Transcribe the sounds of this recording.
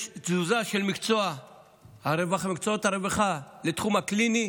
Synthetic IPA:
zuzaʃelmikt͡soa | haɾevaχamikt͡soot̪aɾeveχalet̪χumaklini

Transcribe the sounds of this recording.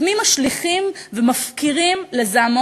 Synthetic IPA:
mimaʃliχimvemafkiʁimlezaamo

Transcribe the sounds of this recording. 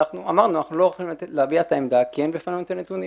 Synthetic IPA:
aχnuamaʁnuanaχnuloχlimt̪leabiat̪aemd̪akienbefanmt̪anet̪uni

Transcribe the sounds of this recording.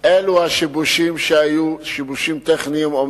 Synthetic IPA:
ʔeluhaʃibuʃimʃehajuʃibuʃimt̪eχniimom

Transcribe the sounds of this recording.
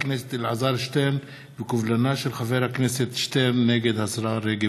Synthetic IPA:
kneset̪lʕazaɾʃt̪en | vekuvlanaʃelxaveɾhakneset̪ʃt̪enːeɡed̪hasɾaɾeɡe

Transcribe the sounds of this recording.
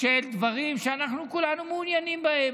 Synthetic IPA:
ʃeld̪ʋɐɣiːmʃɐnɐxnukulanumuːnjanimbɐeː

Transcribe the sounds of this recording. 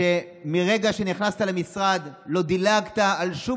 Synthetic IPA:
e | miʁe̞ɡaʃe̞niχnast̪alemisʁad̪lo̞d̪ilaɡt̪aːlʃu

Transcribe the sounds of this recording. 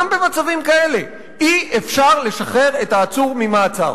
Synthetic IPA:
mbe̞mat͡savimkae̞le̞ | iefʃaʁle̞ʃaχe̞ʁe̞taːt͡suʁmimaːt͡sa̰ʁ

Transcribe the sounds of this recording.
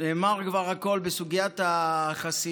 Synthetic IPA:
eːmaʁkvaʁhako̞lbesuɡijat̪aχasi

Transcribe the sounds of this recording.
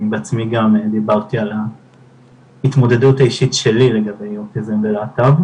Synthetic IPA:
beat͡smiɡamd̪ibaʁt̪iala | hit̪mo̞d̪ed̪utaiʃitʃelile̞ɡabe̞jokizemveleat̪av

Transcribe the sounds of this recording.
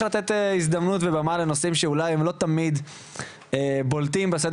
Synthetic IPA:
lat̪et̪izd̪ɐmnut̪vebamalenosimʃeulajemlo̞t̪amid̪ | ebolt̪imbesed

